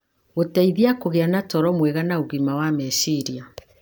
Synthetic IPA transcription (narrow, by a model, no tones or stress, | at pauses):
ɣotɛiðiakoɣeanatɔɾɔmwɛɣanaoɣimawamɛsiɾia